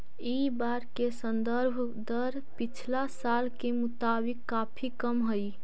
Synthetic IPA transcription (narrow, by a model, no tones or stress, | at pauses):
ibaːɾkesə̃nd̪əɾbʱ | d̪əɾ | pɪt͡ʃʰlasaːlkemʊt̪aːbɪkːaːpʰikəmɦʊi